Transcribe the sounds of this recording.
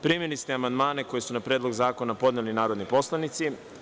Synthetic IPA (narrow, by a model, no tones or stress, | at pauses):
pɾimilist̪eamand̪maːne̞ko̞je̞sunapɾe̞ːd̪lˠo̞ɡzaːko̞napo̞d̪nelinaːɾo̞d̪nipo̞slˠanit̪si